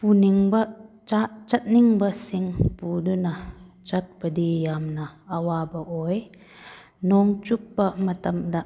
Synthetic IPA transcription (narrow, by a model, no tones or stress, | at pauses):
puniŋbɐ | at͡ʃɐt̪̚niŋbɐsiŋpudunɐ | t͡ʃɐt̚pɐdijamnɐːwabɐʔɔj | nɔŋt͡ʃupːɐmɐt̪ɐmda